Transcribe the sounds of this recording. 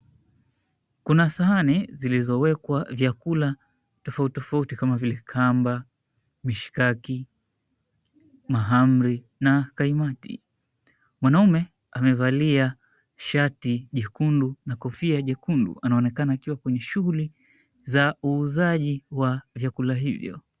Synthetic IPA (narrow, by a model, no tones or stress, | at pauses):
kunasaɦanɛzilizɔwɛkwavjakula | tɔfauttɔfautikamavilɛkʰamba | miʃi̥kaki | maɦam̩ɾi | nakaimatḭ | mwanaumɛ | amɛvalia | ʃatiʄɛkundunakɔfiaʄɛkundṵanaɔnɛkanaːkiwakwɛɲɛʃuɣuli | zauːzaʄiwavjakulaɦivjɔ̰